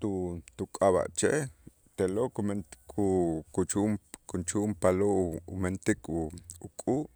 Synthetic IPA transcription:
t̪ut̪ukʼaβa̰ʔt͡ʃe | t̪elokumenikʰukut͡ʃumkunt͡ʃuʔmpaloʔṵment̪ikʰuukʼuːʔ

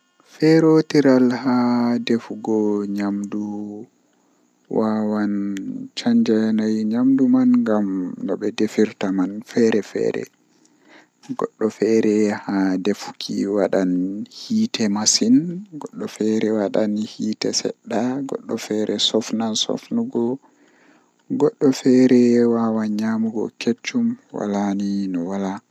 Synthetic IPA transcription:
fɛɾotiɾalhadefuɡɔɲamdu | wʔawant͡ʃaɲd͡ʒanajɲamdumanŋɡamnɔɓɛdefiɾtamanfɛɾɛfɛ̰ːɾɛ̰ | ɡɔ̰ɗːɔfɛɾɛhadefu̥kʰiwaɗanhiːtɛmasinɡɔɗːɔfɛɾɛwaɗanhiːtɛsɛ̰ɗːaɡɔ̰ɗːɔfɛɾʔɛsɔfnansɔ̰fnuɡɔ | ɡɔɗːɔfɛɾɛwawaɲamuɡɔ̰ket͡ʃːumwa̰laninɔwala

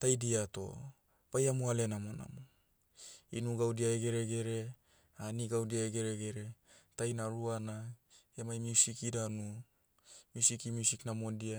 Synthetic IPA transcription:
tajdiato̞̰ | b̥ajamoale̞namo̞na̰mo | inuɡawdiaeɡe̞ɾe̞ɡe̞ɾe̞ | aniɡawdiaeɡe̞ɾeɡe̞ɾe̞tajnaɾuana | emajmiusikidanu | miusikimiusiknamodia

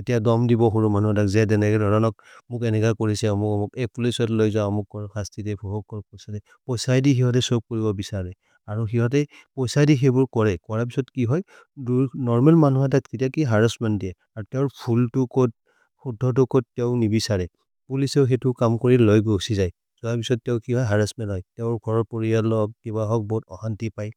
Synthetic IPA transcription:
etijadɔmdibɔxuɹumanuɦatakzɛdɛnɛkɛdɔɹɔnɔk̚mʊkɛnɛkakoɹisamʊkɔmʊkɛkpulisɔtlojzãamukːɔɹxʰastidɛpʰɔɦɔkɔɹpɔsadɛ | pɔjsajdixiɦɔt̬ɛsop̚koɹibɔbisaɹɛ | aɹuxiɦɔt̬ɛ | pɔjsajdixebʊɹkɔɹɛkɔɹapi̥sɔtkiɦɔj | dunɔɹmɛlmanuɦat̬atketiakiɦaɹɔsmandiɛ | aɹutɛʊɹpʰultukot̚ | pʰudʱːɔt̬ukot̚tɛʊnibisaɹɛ | pulisɛʊxetʊkamkɔɹilojbuusizaj | z̥ɔapisɔt̚ːɛʊkiɦɔjɦaɹasmɛnɦɔjtɛʊɹɡʱɔɹɔɹpoɹialɔk̚kibaɦɔk̚bɔɦutɔ̰xantipaj

